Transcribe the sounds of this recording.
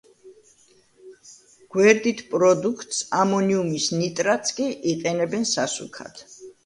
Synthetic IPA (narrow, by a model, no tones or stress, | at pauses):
ɡ̥wɛɾd̪it̪ʰpʼɾɔd̪ukʰt̪ʼsamɔniumisnit̪ʼɾat̪sʰkʼiʔiqʼɛnɛbɛnsasṵkʰa̰t̪ʰ